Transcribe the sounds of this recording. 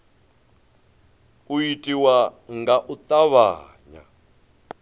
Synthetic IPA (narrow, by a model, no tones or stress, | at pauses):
uitʼiwaŋɡaʔut̪ʼaβa̰ːɲa̰